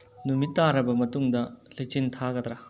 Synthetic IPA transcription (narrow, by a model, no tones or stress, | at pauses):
numitːaɾɐbɐmɐtuŋdɐlit͡ʃintʰaɡɐd̪ɾa